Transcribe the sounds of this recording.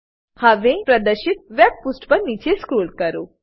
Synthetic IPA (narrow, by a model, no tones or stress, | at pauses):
hɐʋẽpɾɐd̪əɾʃɪt̪̚ʋɛb̚pusʈpɐɾnit͡ʃeskuːlkɐɾoː